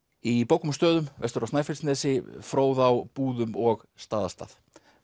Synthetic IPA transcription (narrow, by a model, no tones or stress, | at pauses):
ipowkʏmst̪œːðʏmvɛ̰st̪ʏɾawsnajfɪlsnɛːsɪfɾoːwðawpuːðʏmɔɣ | st̪aːðast̪a̰θ